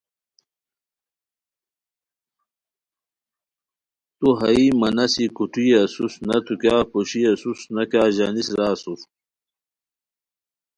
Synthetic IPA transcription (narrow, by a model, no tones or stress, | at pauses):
t̪uɦɐimɐnɐsikuʈ͡ʂiːɐsusnɐt̪ʰukaːpoɕiɐsusnɐkaːʑanisɾaːsuf